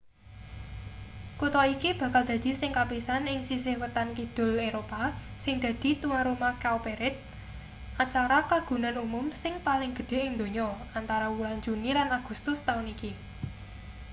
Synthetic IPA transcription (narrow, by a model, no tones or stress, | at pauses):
kut̪ɔikib̥ä̤kald̪̥ä̤d̪̥i̤sɪŋkapisanɪŋsis̬ɪhwət̪ankid̪̥ʊ̤leɾopasɪŋd̪̥ä̤d̪̥i̤t̪uŋaɾumakaupeɾɪt̪̚ | ʔat͡ʃaɾakaɡ̥ṳnanumʊmsɪŋpalɪŋɡ̥ə̤d̪̥e̤ʔɪŋd̪o̤ɲɔ | ant̪aɾawulaɲd͡ʒunilanaɡ̥ṳst̪ʊst̪auniki